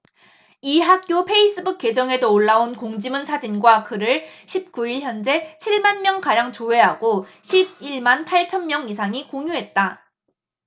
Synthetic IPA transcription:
iɦak̚k͈jopʰe̞is͈ɯbuk͈ːe̞d͡ʑʌŋe̞doːɭːaonkoŋd͡ʑimɯnsʰad͡ʑinɡwakɯɾɯɭɕʰip̚k͈uiɭçjʌnd͡ʑe̞t͡ɕʰiɭmanmjʌŋkaɾjaŋt͡ɕoɦe̞ɦaɡoɕʰib̚iɭmanpʰaɭt͡ɕʰʌnmjʌŋisʰaŋikoŋjuɦe̞t̚t͈a

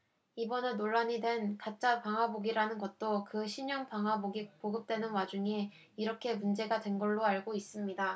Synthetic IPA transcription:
ibʌnenoɭːaɲidwe̞nkat͡ɕ͈apaŋɦwaboɡiɾanɯnɡʌt̚t͈okɯɕʰiɲʌŋpaŋɦwaboɡipoɡɯp̚t͈we̞nɯnwad͡ʑuŋiː | ɾʌkʰe̞mund͡ʑe̞ɡadwe̞nɡʌɭːoaɭɡois͈ɯmɲida

